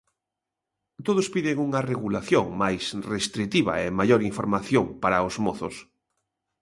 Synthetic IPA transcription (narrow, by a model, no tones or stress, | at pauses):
t̪oð̞ospiðɪŋuŋareɣulaθjoŋmajsrest̪ɾit̪iβ̞ɐ̰emaʎoɾiɱfoɾmaθjoŋpaɾaozmoθos